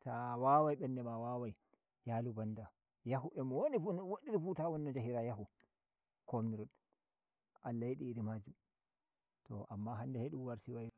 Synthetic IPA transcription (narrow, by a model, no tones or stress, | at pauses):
tʰawawajɓɛndɛmawawaj | jalubanda | jahuʔɛmɔwonifunwoɗiɾifutawɔnːɔd͡ʒaɦiɾajahu | kʰomiɾɔɗ | ʔalːajiɗiːɾimad͡ʒum | tɔ̰ʔamːaɦandɛheɗumwaɾtiwaj